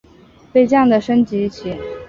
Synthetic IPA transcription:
pe˥˧ɪt͡ɕjɑ˥˩ŋd̪ə˩ʂə˥nt͡ɕi˧˥˩t͡ɕʰi˨˧˩

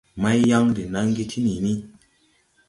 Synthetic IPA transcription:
ma˦jja˦ŋdi˨na˦ŋ˦ɡi˦tʰi˦ni˨ni˦

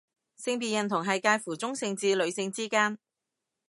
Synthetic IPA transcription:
sɪ˧ŋpiː˨tjɐ˨˩nt̪ʰʊ˨˩ŋɦɐ˨jkaː˧jfuː˨˩t͡sʊ˥ŋsɪ˨˧ŋt͡siː˧lɵ˨˧ɥsɪ˧ŋt͡siː˥kaː˥n

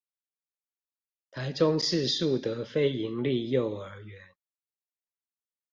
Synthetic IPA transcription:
t̪ʰa˨˦ɪʈ͡ʂʊ˦˥ŋʂɻ̩˥˨ʂu˥˨t̪ə˨˦fe˦˥ɪi˨˥ŋli˥˨jo˥˨ʊə˞˧˥ɥɛ˨˦n

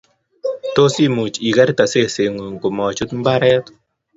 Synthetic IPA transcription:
t̪o˦si˦mu˨t͡ʃi˨ɡa˦ɾt̪a˨se˦se˨ŋu˨ŋko˨mɔ˨t͡ʃu˦t̪mba˦ɾɛ˦t̪

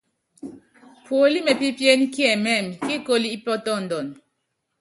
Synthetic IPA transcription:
pwo˨li˦mɛ˨pi˦pje˦n˦kjɛ˨mɛ˦˨mki˦ko˦li˦i˦pɔ˦tɔ˦˨n˨dɔ˨n

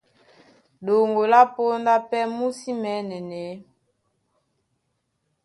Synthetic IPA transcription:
ɗo˨ŋɡo˨la˦po˦nda˦pɛ˦mu˦si˦mɛ˨˦nɛ˨nɛ˨˦

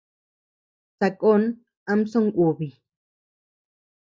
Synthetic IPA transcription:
sa˨˧ko˦˧n | ã˧mso˦ŋku˨βi˨

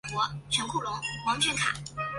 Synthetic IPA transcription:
kwɔ˧˥ʈ͡ʂʰɤ˧˥ŋkʰu˥˩lʊ˧˥ŋwɑ˧˥ŋt͡ɕʰɥɛ˧˥nkʰa̰˨˩˦

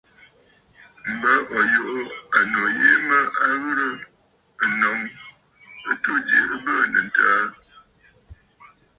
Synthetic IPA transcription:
m̩˨bə˦ʔɔ˨jo˨ʔo˦a˨no˨je˦mə˦a˦ɣɨ˦ɾə˦ | ə˨nɔ˨˦ŋ | ə˦tu˦dḛ˨ə˦bə˦˨nə̰˨n̩˨taː˦

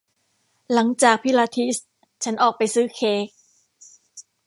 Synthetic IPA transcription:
la˩˦ŋt͡ɕaː˨˩k̚pʰi˦˥laː˧t̪ʰi˦˥s | t͡ɕʰa˦˥nʔɔː˨˩k̚pa˧jsɯː˦˥˩kʰeː˦˥k̚

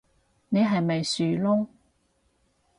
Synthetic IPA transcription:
ne˨˧jɦɐ˨jmɐ˨jsyː˨˩lʊ˥ŋ

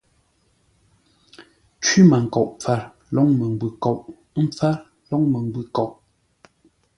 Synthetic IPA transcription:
t͡ʃwi˦ma˨ŋ̩˨kɔ˨ʔp͡fa˦˨ɾ | lɔ˨˦ŋmə˨m˨bʉ˨kɔ˨ʔ | m̩˦p͡fa˦ɾ | lɔ˦ŋmə˨ŋ˦bʉ˨kɔ˨ʔ

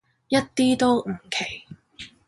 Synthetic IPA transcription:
jɐ˥t̚t̪iː˥t̪o˥wŋ̩˨˩kʰe˨˩j

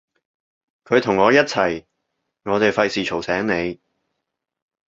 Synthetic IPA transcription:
kʰɵ˨˧ɥt̪ʰʊ˨˩ŋːɔː˨˧jɐ˥t̚t͡sʰɐ˨˩j | ŋɔː˨˧t̪e˨jfɐ˧jsiː˨t͡ʃʰo˨˩wsɛː˨˥ŋne˨˧j

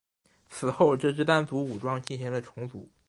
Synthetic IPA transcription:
t͡sʰɹ̩˨˩xo˥˧ʊʈ͡ʂɤ˥˧ʂ̬ɻ̩˥˧t̪a˥˩nt͡su˧˥u˨˩ʈ͡ʂwɑ˥˧ŋt͡ɕi˥˩ɕi˧˥ŋd̪ə˨ʈ͡ʂʰʊ˧˥ŋt͡sṵ˧˩˦

